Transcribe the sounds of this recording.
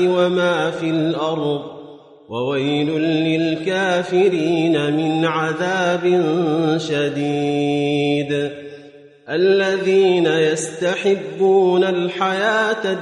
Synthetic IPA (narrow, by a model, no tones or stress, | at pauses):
ɪwamaːfiːlʔɑɾˤðˤ | wawajlʊːɪlkaːfɪɾiːnamɪnʕaðaːbɪnʃad̪iː | d̪ | ʔalːaðiːnajast̪aħɪbːuːnalħajaːt̪a